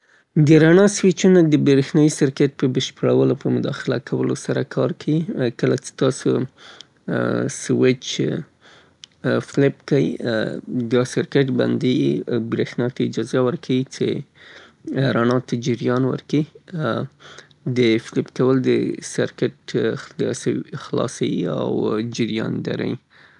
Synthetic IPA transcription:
d̪əɾaɳɑswɪt͡ʃunad̪əbɾexnɑjisɪɾkɪʈ̚pəbəʃpəɽawəlopəmʊd̪ɑxɪla̰kʰawəlo̰saɾakʰɑɾkʰawikəlat͡ʃe̥t̪ɑso̰ | swɪt͡ʃ | flɪp̚kajḭ | d̪ɑsɪɾkeʈba̰nd̪ibɾexnɑt̪aɪd͡ʒɑzawəɾkʰawit͡ʃe | ɾanɑt̪ad͡ʒɪɾjɑnwə̰ɾki | d̪əflɪpkawəld̪əsaɾkɪʈd̪əasawixlɑ̰sawia̰wd͡ʒɪɾjɑ̰nd̪a̰ɾa̰j

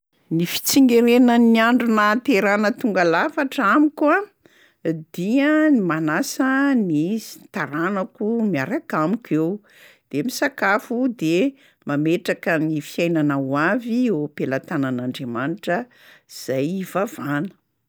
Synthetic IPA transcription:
nifi̥t͡siŋɡeɾenəniaɳɖ͡ʐunat̪eɾanət̪uŋɡalafaʈ͡ʂamikʲwa | d̪̥iənimanasəniit̪aɾanakumiaɾakamikʲew | d̪̥emisakafud̪e | mameʈ͡ʂakənifiajnanawaviopelat̪ananaɳɖ͡ʐemaniʈ͡ʂə | z̥ajvavanə̥

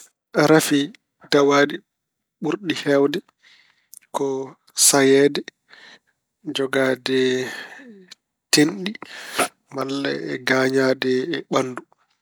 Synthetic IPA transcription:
ɾafi | dawaːdi | ɓuɾɗihɛwdɛ | kɔ | sajɛːdɛ | d͡ʒɔɡadɛ | tenɗi | malːa̰ɛɡaːɲadɛɓanːdu

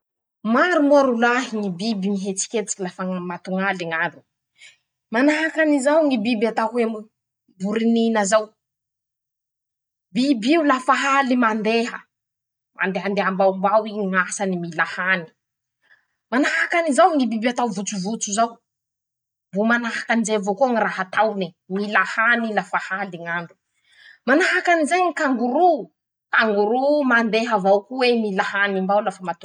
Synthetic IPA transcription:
maɾumaɾulaɦiŋibibimiɦet͡si̥kʲet̪i̥kilafəmat̪uŋaliŋaɾu | manaɦakanizawŋibibat̪aɦem | buɾininəzaw | bibiulafaɦalimand̪eɦə | ma̰nd̪eɦand̪eɦambaumbawiŋasanimilahani̥ | manaɦakanizawŋibibat̪awvut͡suvut͡suzaw | vomanaɦakanizevokoŋiraɦat̪awni | milahanilafahaliŋambi̥ | manaɦakanizaɲikaŋɡuɾu | kaŋɡuɾumand̪eɦəvawkuwemilahanimbawlafəmat̪u

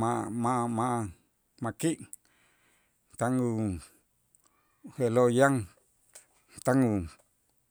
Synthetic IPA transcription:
mãmãmãʔ | mãkiʔ | t̪aŋu | helojaŋ | t̪aŋu

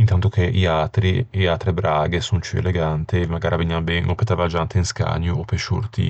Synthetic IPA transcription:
int̪ant̪okeʔiat̪ɾieat̪ɾebɾaːɡesont͡ʃuḛleɡant̪emaɡaːɾʔaveɲːanbɛnʔopet̪avad͡ʒant̪einska̰ɲːoopeʃṵrt̪ḭ

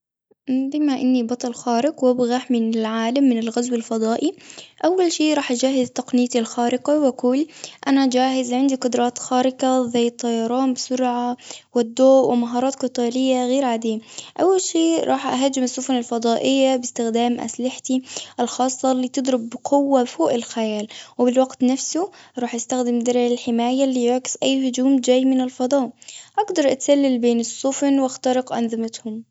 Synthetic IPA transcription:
ʔbɪmaʔɪnːibɑt̪ˤɑlxaːɾɪqwɪbɣaħmɪnɪlʕaːlamːɪnɪlɣazwalfɑd̪ˤɑːʔiʔawːalʃiːʔɾˤɑːħʔad͡ʒaːɦɪzt̪ɑqnɪjːat̪ilxaːɾɪqawʔaquːlʔanad͡ʒaːɦɪzʕɪnd̪iqʊd̪ɾˤɑːt̪xaːɾɪkazajːɑt̪ˤːɑjɑɾˤɑːnbɪsʊɾʕawɪd̪ːoːʔwɪmaɦɑːɾˤɑːt̪qɨt̪ˤɑːlɪjːaɣeːɾʕaːd̪iːaʔawːalʃiːɾˤʔɑːħʔa̰ɦad͡ʒːɪmɪsˤːʊfnɪlfɑd̪ˤɑːʔɪjːabɪst̪ɪxd̪aːmʔa̰slɪħt̪iʔɪlxɑːsˤːɑlːiːt̪ɨd̪ˤɾɪbːqʰʊwːafoːʔɪlxajaːlwɪbɪlwaɡt̪nafsʊɾˤɑːħʔɪst̪axd̪ɪmd̪ɑɾˤʕɪlħɪmaːjalːiːjʊʕkɪ̥sʔajːhʊd͡ʒuːmd͡ʒaːjːmɪnɪlfɑd̪ˤɑːʔʔaɡd̪ɑɾˤʔat̪salːalbeːnɪsˤːʊfnwʔaxt̪ɑɾɪqʔɑnðˤɨmat̪hʊm

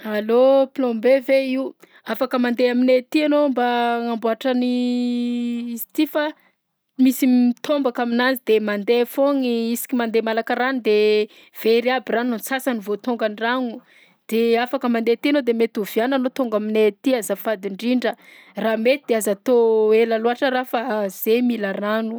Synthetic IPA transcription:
alopilombeveiu | afakəmand̪eaminet̪ianombaŋambuaʈ͡ʂəni | st̪ifa | misimit̪ombakaminazid̪emand̪efoŋiisi̥kʲimand̪emalakəranid̪e | v̥eɾiabiranunt͡sasanivot̪oŋɡanraŋu | d̪̥eafakəmand̪et̪ianod̪emet̪uviananot̪oŋɡaminet̪iazəfad̪iɳɖ͡ʐiɳɖ͡ʐə | raːmet̪id̪eazat̪oelaluaʈ͡ʂərafaz̥emilaranu

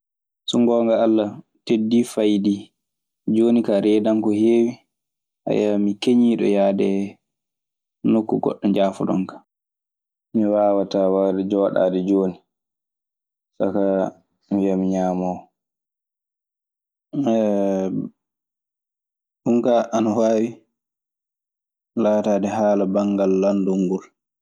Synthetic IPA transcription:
suŋɡɔːŋɡaːlːa | tedːifajdi | d͡ʒoːnikaɾɛːdaŋkɔheːwi | ʔa̰jamikeɲiːɗɔ̰jaːdɛ | nokːuɡɔ̰ɗːɔɲd͡ʒaːfɔ̰ɗɔ̰ŋkḁ | miwawatawadɛd͡ʒɔwaɗa̰ːdɛd͡ʒoːni | saka | mijamiɲaːmɔw | ɗuŋkaʔanawaːwi | laːtaːdɛɦaːlabaŋɡalːanduŋɡul

